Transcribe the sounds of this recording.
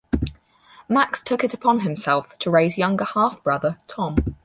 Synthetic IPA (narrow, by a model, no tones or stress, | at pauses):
makstʰʊkɪtəpʰɒ̃nɪ̃msɛlˠftʰəɹeɪzjʌ̃ŋɡəhɑˑfb̥ɹʌðətʰɒ̃m